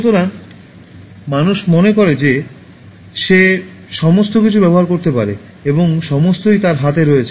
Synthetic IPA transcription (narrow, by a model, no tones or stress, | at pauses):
t̪oɾan | manuʃmonekoɾed͡ʑe | ʃe | ʃɔmost̪okit͡ɕʰubɛboɦaɾkoɾt̪epaɾḛ | eboŋʃɔmost̪ojt̪aɾɦat̪eɾoet͡ɕʰe